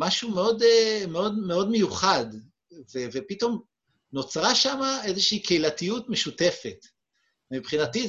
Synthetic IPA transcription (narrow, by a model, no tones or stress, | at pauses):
maʃumeo̞demeo̞dme̞o̞dme̞juχad | vevepito̞m | no̞t͡sʁaʃamae̞zeʃiikʰeilatijutmeʃute̞fet | mipχinati